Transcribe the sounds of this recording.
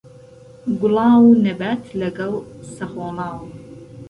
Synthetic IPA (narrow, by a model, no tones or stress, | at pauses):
ɡʊlˠɑːwunɐbaːt̪ʰlɐɡɐlˠsɐχoːlɑːw